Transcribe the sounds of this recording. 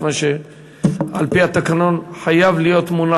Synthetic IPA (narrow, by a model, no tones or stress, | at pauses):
maʃe | alpiat̪akano̞nħajavlijo̞t̪muna